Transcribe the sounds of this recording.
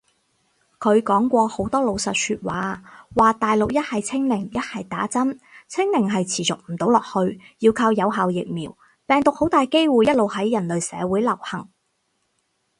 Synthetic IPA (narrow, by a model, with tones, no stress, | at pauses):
kʰɵ˨˧ɥkɔː˨˥ŋkʷɔː˧ho˨˥wt̪ɔː˥lo˨˧wsɐ˨t̚syː˧t̚waː˨˦waː˨t̪aː˨jlʊ˨k̚jɐ˥t̚hɐ˨jt͡sʰɪ˥ŋmɪ˨˩ŋjɐ˥t̚hɐ˨jt̪aː˨˥t͡sɐ˥mt͡sʰɪ˥ŋlɪ˨˩ŋɦɐ˨jt͡sʰiː˨˩t͡sʊ˨k̚m̩˨˩t̪o˨˥wlɔː˨˩k̚hɵ˧ɥji˧wkʰaː˧wjɐ˨˧wɦaː˨wjɪ̰˨k̚miː˨˩w | pɛː˨ŋt̪ʊ˨k̚ho˨˥wt̪aː˨jke˥jwuː˨˧jɐ˥t̚lo˨wɦɐ˨˥jːɐ˨˩nlɵ˨ɥsɛː˨˧wuː˨˥jlɐ˨˩whɐ˨˩ŋ